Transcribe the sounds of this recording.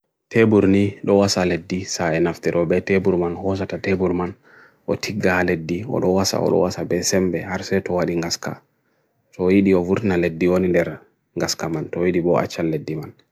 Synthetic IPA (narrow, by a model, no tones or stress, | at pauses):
tʰebuɾniɗɔwasaledːisaɛnaftiɾʔɔbɛtebuɾmanhɔs̬atatebuɾman | ʔɔtʰiɡːaledːiɔ̰ɗɔwasa̰ɔ̰ɗɔ̰wasabɛsɛmbɛhaɾsɛtɔwaɗiŋɡaska̰ | tɔjiɗiɔvuɾtinaledːiwonindɛɾ | ŋɡaskamantɔwiɗibɔa̰t͡ʃːalːedːiman